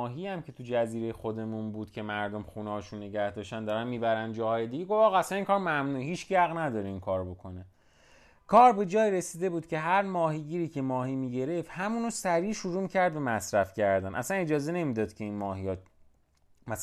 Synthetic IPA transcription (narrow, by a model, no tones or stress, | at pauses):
ɦiæmcʰe̞t̪ʰud͡ʒæziːɾejexo̞d̪e̞munbuːd̪̥̚cʰe̞mæɾd̪o̞mxuneːʃunːe̞ɟæhd̪ɒːʃt̪ænd̪ɒːɾænmiːbæɾænd̪d͡ʒɒːhɒːje̞d̪iɟe̞ɡo̞fɒːɣæsæniːŋkʰɒːɾmæmnuːeɦiːt͡ʃɡæɣnæd̪ɒːɾeinkʰɒːɾbo̞kʰo̞ne̞ | kʰɒːɾbe̞d͡ʒɒːjiɾesiːd̪e̞buːd̪̚cʰʲe̞ɦæɾmɒːɦiɟiːɾiːcʰe̞mɒːhiːmiːɟe̞ɾe̞ft̪hæmunosæɾiːʃuɾuːmicʰæɾd̪̚bemæsɾæfcʰæɾd̪ænʔæ̰sæne̞d͡ʒɒːze̞ne̞miːd̪ɒːd̪cʰe̞inmɒːɦijɒ | mæ